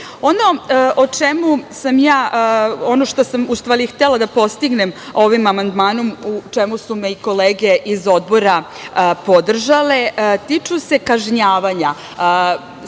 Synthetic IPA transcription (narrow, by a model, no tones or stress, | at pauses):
o̞no̞ʔot͡ʂemusamjaːo̞no̞ʃt̪o̞samust̪ʋaːɾixt̪elad̪apo̞st̪iɡne̞mo̞ʋimamand̪maːno̞mut͡ʃemusumeiko̞leːɡe̞ʔizo̞d̪̚bo̞ɾa | po̞d̪r̩ʒalet̪it͡ʂuse̞kaʒɲaːʋaɲa